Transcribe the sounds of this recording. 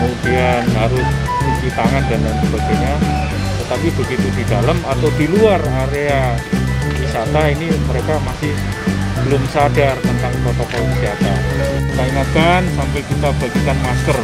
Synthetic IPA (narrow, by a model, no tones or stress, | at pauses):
kəmudianɦaɾʊs | kut͡ʃit̪aŋandandansəbaɡajɲa | t̪ət̪apibəɡit̪udidaləmat̪awdiluaraɾea | isat̪ainiməɾekamasɪh | b̥əlʊmsadart̪ənt̪aŋt̪ɔt̪ɔkɔt̪ksiat̪a̰naiŋat̪̚kansampakit̪ab̥aɡikanmaskər